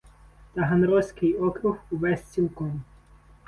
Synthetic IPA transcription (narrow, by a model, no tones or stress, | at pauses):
t̪ɐɦɐnɾɔsʲkɪjɔkɾʊhuʋɛsʲt͡sʲilˠkɔm